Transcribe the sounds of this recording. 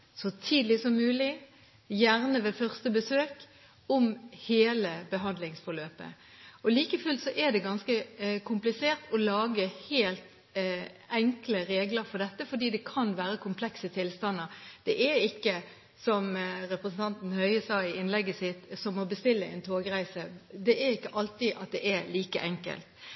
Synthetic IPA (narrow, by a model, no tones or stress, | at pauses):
sɔt̪ʰiːd̪lɪsɔmːʉːlɪ | jæʁnəʋeːfœʁst̪əbəsøːk | ɔmheːləbəɦɑnd̪lɪŋsfɔʁløːpə̰ | ɔliːkəfʉlt̪sɔʔɛd̪ɛɡɑnskəkʰʊmplɪseːʁt̪ɔlɑːɡəheːlt̪ | ɛŋkləɾeːɡləɾfɔd̪ɛt̪ːəfɔd̪iːd̪ɛkʰɑnʋæːɾəkʰʊmpʰlɛksət̪ʰɪlst̪ɑnːəɾd̪̥ɛʔɛɾɪkːə | sɔmɾɛpɾəsn̩t̪ʰɑnt̪n̩hœʏəsɑːɪɪnlɛɡːəsɪt̪sɔmɔbəst̪ɪlːəɛ̰nt̪ʰoːɡɾæɪsəd̪ɛʔæɾɪkːəʔɑlt̪iʔɑt̪̚d̪ɛʔɛliːkə̰ʔɛŋkə̰lt̪